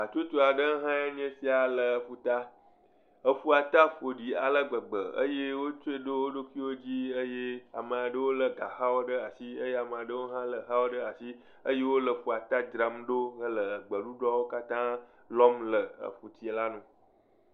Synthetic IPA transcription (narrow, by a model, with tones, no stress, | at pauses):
a˨t͡ʃo˦t̪o˦a˨ɖə˦ɦã˦e˦ɲ̃˦e˦si˦a˨lə˨ɸu˨t̪a˦ | ə˨fu˦a˨t̪a˦ɸo˨ɖi˨a̰˨lə˦ɡ͡bə˨ɡ͡bə˨ə̰˦je˦wo˦t͡ʃo˦e˦ɖo˦wo˦ɖo˦ki˦wo˦d͡ʑi˦ə˦je˦a̰˨mə˨a˨ɖə˦wo˦lə˨ɡa˨xa˦wo˦ɖə˦a˨si˦ə˦je˦a˨mə˨a˨ɖə˦wo˦ɦã˦lə˨ɦa˦wo˦ɖə˦a˨si˦ | ə˦je˦wo˦lə˨fu˨a˨t̪a˦d͡ʒɾa˨mɖo˦ɦə˦lə˨ɡ͡bə˨ɖu˦ɖɔ˦wo˦ka˦t̪ã˦ | lɔ˦mlə˨ə̰˨ɸu˨t̪i˨e˨la˦nũ˦